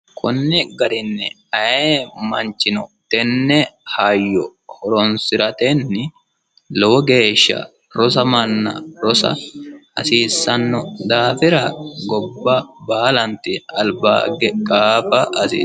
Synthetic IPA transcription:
kʰʊnːɪɡɐɾɪnːɛ̰ | ɐjemɐ̰nt͡ʃːɪnɔ̰t̪ɛnːɛhajːɔhɔɾɔnsɪɾɐt̪ɛnːɪ | lɔwɔɡe̞ːʃːɐ̰ | ɾɔs̬ɐmɐnːɐ̰ɾɔsɐ̰ɐ̰siːsːɐnːɔd̪aːfɪɾɐɡɔbːɐbaːlɐnt̪ɪɐlba̰ːɡɛkʼaːfɐɐsḭː

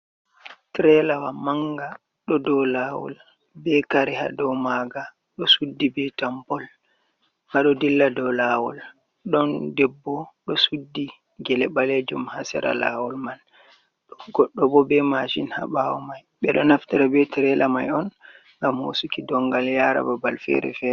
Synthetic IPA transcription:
tɾɛlawamaŋɡa | ɗɔdɔlawɔ̰l | bɛkaɾɛha̰dɔwmaɡa | ɗɔsudːibɛtambɔl | ŋɡaɗɔdilːadɔlawɔ̰l | ɗɔndɛbːɔɗɔsudːi | ɡɛlɛɓaled͡ʒumhasɛ̰ɾa̰la̰wɔlman | ɗɔɡɔɗːɔbɔbɛmaʃinha̰ɓawɔmajɓɛɗɔnaftiɾabɛtɛɾɛlamajɔn | ŋɡamho̰sukidɔŋɡaljaɾa̰babalfɛ̰ɾɛ̰fɛ

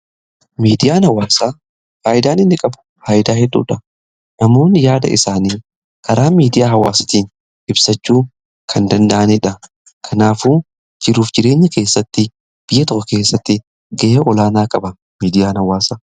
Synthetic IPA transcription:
miːd̪ɪjaːnhɐwːaːsaː | faːjɪd̪aːnɪnːɪkʼɐbʊ̥ | haːjɪd̪aːhɛd̪ːṵːᶑɐ | nɐmo̞ːnːjaːd̪ɐ̰ʔɪ̰saːniː | kʰɐɾaːmiːd̪ɪjaːɦɐwa̰ːsɪ̥t̪iːn | ʔɪbsɐt͡ʃːuː | kʰɐnd̪ɐnd̪ɐʔɐnɛᶑɐ | kʰɐnaːfuː | d͡ʒɪɾuːfd͡ʒɪɾe̞ːɲːɐke̞ːsːɐt̪ːɪ | b̥ɪjːɐt̪ɔkʼːɐke̞ːsːɐt̪ːɪ | ɡɐʔeʔɔlaːnaːkʼɐbɐ | miːd̪ɪjaːnhɐwːaːsaː

